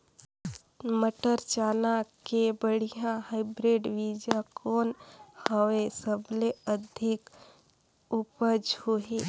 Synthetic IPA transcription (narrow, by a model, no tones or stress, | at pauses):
məʈəɾt͡ʃanakebəɽ̤ijãɦaɪbɾeɖʋid͡ʒãkoːnhəwesəbleəd̪ʱik | upəd͡ʒhoɦe